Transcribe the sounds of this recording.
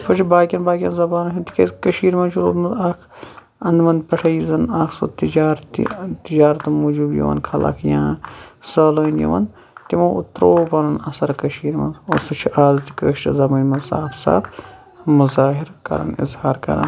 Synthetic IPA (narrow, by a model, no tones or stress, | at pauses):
pɐt͡ʃʰibaːkʲɐnbaːkʲɐnzɐbaːnɐɦʰunt̪i̥kɐskɐʃiːɾmɐnt͡ʃʰulo̰ːɾmɐzaːkʰ | ɐnd̪mɐnpɐʂʰɐjizɐnaːkʰso̰t̪id͡ʒaːɾt̪ḭt̪id͡ʒaːɾɐt̪muːd͡ʒuːbjo̰ʋɐ̰nkʰɐlʔɐ̰kʰjãːsɐːloːinjo̰ʋɐ̰n | t̪imõːut̪ɾoːpɐɾɐnɐsɐɾkɐʃiːɾmɐ̰nosɐt͡ʃʰiʔaːzt̪i̥kəːʃt͡ʃɐzɐbɐːnʲmɐnsaːbsa̰ːb | muzaːɦiɾkɐ̰ɾɐ̰nḭzhaːɾkɐ̰ɾɐ̰n